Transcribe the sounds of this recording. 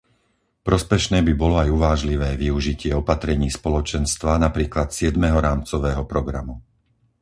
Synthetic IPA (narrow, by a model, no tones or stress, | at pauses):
pɾɔspɛʃnɛːbibɔlɔajuʋaːʒliʋɛːʋiuʒicɪɛɔpat̪ɾɛɲiːspɔlɔt͡ʃɛnst̪ʋanapɾiːklat̪sɪɛd̪mɛɦɔɾaːmt͡sɔʋɛːɦɔpɾɔɡɾa̰mu